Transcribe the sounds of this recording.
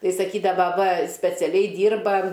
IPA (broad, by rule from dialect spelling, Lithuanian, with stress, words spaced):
ˈtɐɪ sɐˈkʲiːdɐʋɐ ʋɐ sʲpʲɛt͡sʲɛˈlʲɛɪ ˈdʲiːrbɐ